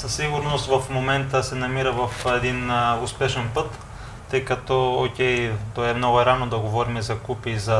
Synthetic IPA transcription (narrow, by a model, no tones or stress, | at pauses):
sɐsiɡʊɾnost̪vɐfmomɛnt̪əsɛnɐmiɾəvɐfɛd̪inʊspɛʃɛnpɤt̪ː | ɤjkɐt̪ɔokʲɛjt̪oaɛmnoɡʊɛɾanod̪ɐɡovɔɾimizɐkupizɐ